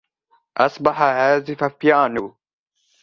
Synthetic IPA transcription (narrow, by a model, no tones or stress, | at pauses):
ʔɐsbɐħaɦæːzifɐfjaːnu